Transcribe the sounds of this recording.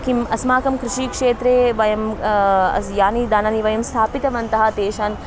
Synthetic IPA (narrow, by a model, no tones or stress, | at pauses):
kimɐsmaːkɐmkɾɪʃiːkʂeːt̪ɾeːʋɐjɐmɐ̰sjaːnid̪aːnɐniʋɐjɐmst̪ʰaːpit̪ɐʋɐnt̪ɐɦɐt̪eːʃaːn